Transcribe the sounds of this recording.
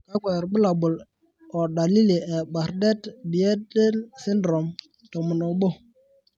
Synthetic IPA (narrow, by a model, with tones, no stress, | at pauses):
ka˦kɛ˨ɾbə˦la˨bʊ˨l | ɔ˨da˨li˦le˨ɛ˨ba˨ɾdɛ˦tbi˨ɛ˦dɛ˦lsi˦ndɾɔ˨m | tɔ˨mu˨no˨bo˦